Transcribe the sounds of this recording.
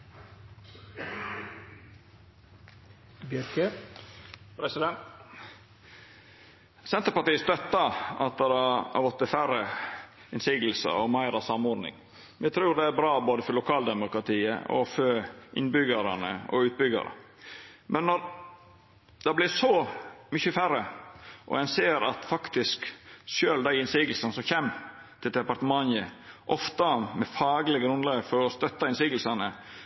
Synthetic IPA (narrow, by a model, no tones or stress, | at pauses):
bjɾkə | pɾɛsɪd̪ɛnt̪ | sɛnt̪əɾpɑʈ̪iːəst̪œt̪ːɑɑ̰t̪̚d̪ɛɾɑɑ̰ʋɔt̪ːɪfæɾə | ɪnsɪːɡl̩sə̰ɔmæɪɾɑsɑmɔːɾnɪ̰ŋ | mɛt̪ʰɾʉːɾd̪ɛæɾbɾɑːboːd̪əfɔɾlʊkʰɑːld̪ɛmʊkɾɑt̪ʰiːə̰ɔ̰fɔɾʔɪ̰nbʏɡɑɾɑnə̰ɔ̰ʉːt̪̚bʏɡɑ̰ɾə̰ | mʔɛnːɔɾ | d̪̥ɑblɪsɔmʏçəfæɾəʔɔ̰ɛnseːɾɑt̪fɑkt̪ɪskʃøːld̪æɪɪnsiːɡəl̩sɑnəsɔmçɛmː | t̪ʰɪld̪ɛpɑɾt̪əmɑnəʔɔft̪ɑmɛfɑːɡlɪɡɾʉnlɑːɡfɔɾɔst̪œt̪ːɑɪnsiːɡəl̩sɑnə